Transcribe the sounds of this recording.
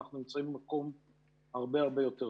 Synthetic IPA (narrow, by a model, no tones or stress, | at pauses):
aχnunimt͡saimbmakɔm | aʁbeaʁbejɔtɛ